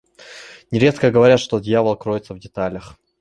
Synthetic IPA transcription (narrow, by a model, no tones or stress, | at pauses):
nʲɪɾʲe̞t̪kəɡəvɐɾʲat̪ʂt̪od̪ʲjavəlˠkɾo̞jɪt̪səvdʲɪt̪alʲəx